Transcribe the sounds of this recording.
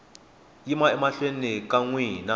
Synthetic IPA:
jimaɛmaɬwenikaŋwiːna

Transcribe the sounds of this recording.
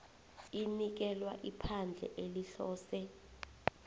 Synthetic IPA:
inik̬ɛlwaʔipʰand͡ɮʱɛ̰ʔeliɬɔːsɛ

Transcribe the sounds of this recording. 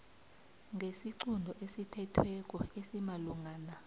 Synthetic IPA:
ŋɡʱesiǀundʱɔʔesitʰɛtʰwɛk̬ʼɔesimaluŋʱaːna

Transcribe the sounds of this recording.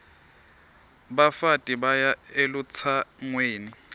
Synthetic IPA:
bafatʼibajaelut͡sʰaŋweːni

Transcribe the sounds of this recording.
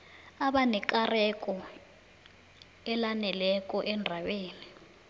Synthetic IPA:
aɓanɛk̬ʼarɛkʼɔ | ɛlanɛlɛkʼɔʔɛndʱaɓeːni

